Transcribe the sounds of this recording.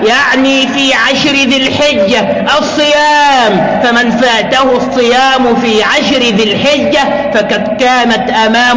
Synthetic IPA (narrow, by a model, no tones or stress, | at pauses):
jaʕniːfiːʕaʃɾɪðɪlħɪd͡ʒːa | ʔɑsˤːɨjaːm | famɪnfaːt̪ahʊsˤːɨjaːmʊfiːʕaʃɾɪðɪlħɪd͡ʒːa | fakɑd̪kaːnat̪ʔamaːm